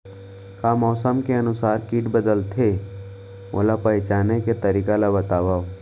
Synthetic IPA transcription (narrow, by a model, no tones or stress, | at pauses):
kaːmɔːsəmkeənʊsaːɾkiːʈbəd̪əlt̪ʰe | o̰ːlapəjt͡ʃaːneket̪əɾiːkalabət̪aːʋaːo